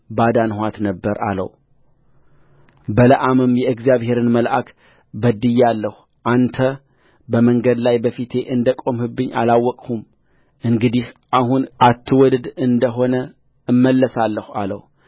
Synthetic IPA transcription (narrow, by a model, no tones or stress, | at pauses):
bad̪anhʷat̪nəbːəɾa̰lə̰w | bələʔamɨmjɛɨɡzjaβhe̞ɾɨnməlʔakʰ | bəd̪ɨjːalːəhu | ʔant̪ʰə | bəməŋɡəd̪lajbəfit̪ʰe̞ʔɨnd̪əkʼo̞mhɨbːɨɲːʔa̰lawːɔkʼhum | ɨŋɡɨd̪ihʔahunʔat̪ʰːɨwɔd̪d̪ɨnd̪əɦo̞nə | ɨmːəlːəsalːəha̰lə̰w